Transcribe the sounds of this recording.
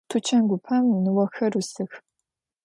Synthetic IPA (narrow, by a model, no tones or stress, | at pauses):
tʰut͡ʃʰɐnɡʷʊpʰɐmnɨwɐxɐrusɨx